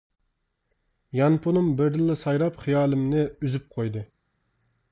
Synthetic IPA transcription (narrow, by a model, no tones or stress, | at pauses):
jɑnpʰonumbɪɾd̪ɨlːɪsɑjɾɑpχijɑːlˠɪmnɪyzyp̚qʰojd̪ɨ